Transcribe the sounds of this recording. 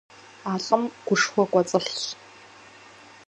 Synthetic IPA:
aɬʼɨmɡ̥ʷʊʂχʷɔkʷʼɐt͡sʼɨɬɕ

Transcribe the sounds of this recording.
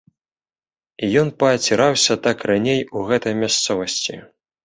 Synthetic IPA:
ijɔnpɐːt͡sʲɛɾawsʲɐt̪akranʲejuɣɛt̪ɐjmʲast̪sɔvɐsʲt͡sʲḭ

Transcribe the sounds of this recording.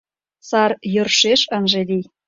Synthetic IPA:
sɑɾjø̆rʃeʃə̆nʒĕd̪i

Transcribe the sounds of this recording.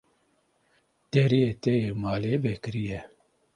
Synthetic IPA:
d̪̥ɛɾijet̪ɛjeːmaːleːvɛkɨɾijɛ

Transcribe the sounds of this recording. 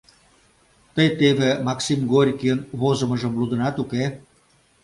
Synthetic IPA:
t̪əjt̪eβemɑksimɡorʲkʲiənβozə̆məʒə̆mlud̪ə̆nɑt̪uke

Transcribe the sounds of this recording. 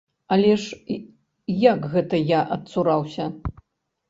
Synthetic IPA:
ɐlʲɛʂ | jakɣɛt̪ɐjaʔɐt̪suɾawsʲɐ

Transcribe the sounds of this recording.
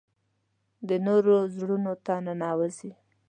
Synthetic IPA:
d̪ənoɾozɽunot̪ananɑwəzi

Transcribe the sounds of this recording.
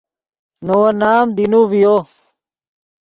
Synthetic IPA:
noːnaːmd̪inuʋijoː

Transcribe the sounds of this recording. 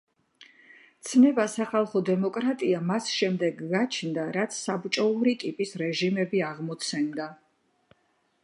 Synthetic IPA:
t̪sʰnɛbasaχalˠχɔd̪ɛmɔkʼɾat̪ʼiamasʃɛmd̪ɛɡːat͡ʃʰnd̪aɾat̪sʰsabt͡ʃʼɔuɾit̪ʼipʼisɾɛʒimɛbiaʁmɔt̪sʰɛnd̪a

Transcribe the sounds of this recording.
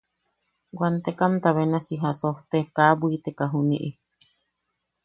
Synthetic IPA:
ɡwant̪ekamt̪aβenasiɦasoht̪ekabuit̪ekaɦunḭʔi

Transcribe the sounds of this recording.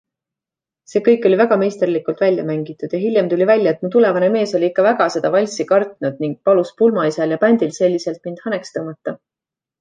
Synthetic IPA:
se̞ːkɤjkːˑo̞lʲivæɡ̥ɑme̞jst̪erlikult̪vælʲjɑmæŋɡit̪ːˑud̪̥jɑɦilʲjemt̪ulʲivælʲjɑet̪mut̪ule̞vɑne̞me̞ːso̞lʲiikːɑvæɡ̥ɑse̞d̪̥ɑvɑlʲsikɑrt̪nud̪̥̚niŋɡ̥̚pɑluspulmɑisɑljɑpænʲd̪̥ilse̞lʲːise̞lt̪̚mind̪̥hɑnekst̪ɤmɑt̪ːɑ

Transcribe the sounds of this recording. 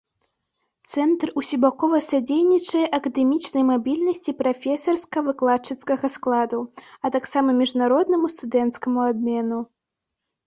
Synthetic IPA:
t̪sɛnt̪rusʲibakɔvɐsad͡zʲejnʲit͡ʂɐjɛʔɐkɐd̪ɛmʲit͡ʂnɐjmabʲilʲnɐsʲt͡sʲipɾafʲɛsɐrskɐvɨklˠat͡ʂɨt̪skɐɣɐsklˠad̪uɐt̪aksamɐmʲiʐnaɾɔd̪nɐmust̪ud̪ɛnt̪skɐmuabʲmʲɛnu

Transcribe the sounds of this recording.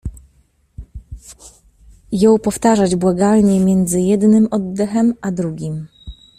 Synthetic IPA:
jɔ̃w̃pɔft̪aʐad͡ʑbwaɡalɲɛmʲjɛnd̪zɘjɛd̪nɘmɔd̪ːɛxɛmʔad̪ɾuɡʲim

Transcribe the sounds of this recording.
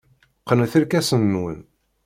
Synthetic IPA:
qːənθəɾkæsənːwə̰n

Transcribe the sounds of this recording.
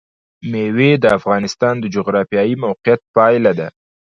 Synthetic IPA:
mewed̪əafɣɑnɪst̪ɑnd̪əd͡ʒoɣɾɑfjɑjimawqɪjat̪̚pɑjlad̪a

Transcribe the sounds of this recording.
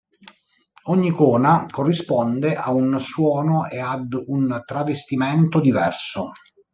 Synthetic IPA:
ɔɲːikɔːnakorːispɔnd̪eʔaunswɔːnoʔead̪unt̪ɾavest̪imɛnt̪od̪ivɛrso

